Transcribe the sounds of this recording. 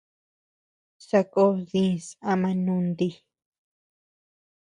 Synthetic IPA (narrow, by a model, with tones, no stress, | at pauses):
sa˧ko˦ðĩ˦sa˧mã˧nũ˧nd̪i˧